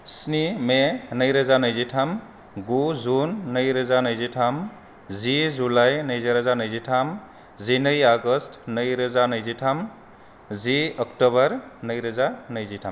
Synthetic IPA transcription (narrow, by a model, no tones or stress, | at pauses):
snimenəjɾəzanəjzitʰam | ɡuzunːəjɾəzanəjzitʰam | zizulajnəjziɾəzanəjzitʰam | zinəjaɡəstnəjɾəzanəjzitʰam | ziɔkʈɔβʌɾnəjɾəzanəjzitʰam